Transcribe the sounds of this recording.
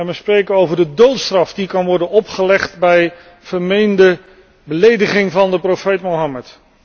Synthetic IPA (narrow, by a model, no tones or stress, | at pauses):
nʋəsprejkənowvəɹdədowtstrɑfdikɑnʋɔɹdənɔpχəlɛχtbɛj | v̥əɹmejndə | bəlejdəχɪŋvɑndəprofejtmoɦɑmət